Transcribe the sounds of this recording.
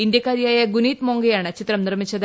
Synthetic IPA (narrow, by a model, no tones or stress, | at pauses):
ind̪jɐkːaːɾjaːjɐɡuniːt̪moːŋɡɐjaːɳɨt͡ɕit̪rɐmnirmit͡ɕːɐð